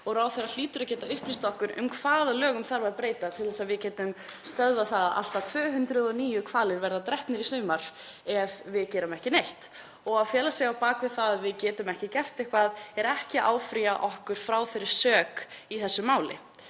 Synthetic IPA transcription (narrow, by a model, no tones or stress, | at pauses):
ɔɣɾaːwθɛɾal̥iːt̪ʏɾacɛːt̪aʏhplist̪ɔhkʏɾʏ̰mkʰv̥aːðalœːɣʏmθaɾvapɾeːjt̪at̪ʰɪlθɛsaðvɪðcɛːt̪ʏmst̪œððaθaðaða̰l̥t̪at̪ʰvœːɦʏnt̪ɾʏðɔniːjʏkʰvaːlɪɾvɛɾðat̪ɾɛht̪nɪɾisnʏːmaɾ̥ | ɛvvɪðcɛːɾamɛhcɪnejht̪ | ɔɣawfjɛːlasɛɣawpaːkvɪðθaððvɪðcɛːt̪ʏmɛhcɪcɛft̪ehkvaðɛɾɛhcɪʔa̰ːwfɾiaʔɔhkʏɾ̥fɾaːwθɛɾːɪɾ̥sœːkiθɛsːʏmaːwlɪ̰